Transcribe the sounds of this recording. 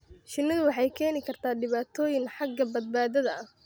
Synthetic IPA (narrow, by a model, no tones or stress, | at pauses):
ʃɪnːɪðʊwɑħɑjkʰɛːnɪkʰɐrt̪ʰaːɖɪβaːt̪ʰɔːjɪŋħɑɡːɐbɐd̪̚baːðɐðɐɐh